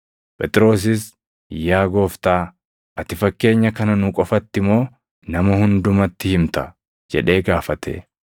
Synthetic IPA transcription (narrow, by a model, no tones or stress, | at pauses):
pʼɛt̪ʼɪɾo̞ːs̬ɪs | jaːɡo̞ːft̪aː | ʔɐt̪ɪfɐkːe̞ːɲːɐkɐnɐnʊkʼɔfɐt̪ːɪmo̞ː | nɐmɐhʊnd̪ʊmɐt̪ːɪhɪmt̪ɐ | d͡ʒɛ̰ᶑe̞ːɡaːfɐt̪ʰḛː